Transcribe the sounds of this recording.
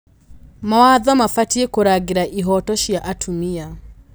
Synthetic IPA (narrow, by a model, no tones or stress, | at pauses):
mawaðɔmafatiekoɾaɡeɾaʔiɦɔtɔʃjaʔatʰumia